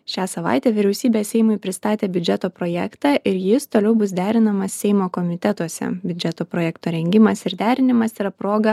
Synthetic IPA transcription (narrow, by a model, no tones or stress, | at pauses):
ʃʲæːsɐʋɑ̰ˑɪt̪ʲɛːʋʲɪɾʲɛʊsʲiːbʲeːssʲɛɪmʊɪpʲɾʲɪst̪ɑːt̪ʲeːbʲʊd͡ʒʲɛt̪oːpɾoːjɛkt̪ɑːʔɪɾjɪst̪oːlʲɛʊbʊs̬d̪ʲæːɾʲɪnɐmɐssʲɛɪmoːkomʲɪt̪ʲɛt̪uɔsʲɛ̰bʲʊd͡ʒʲɛt̪oːpɾoːjɛkt̪oːɾʲɛŋʲɡʲɪmɐsɪɾd̪ʲæːɾʲɪnʲɪmɐsiɾɐpɾoːɡɐ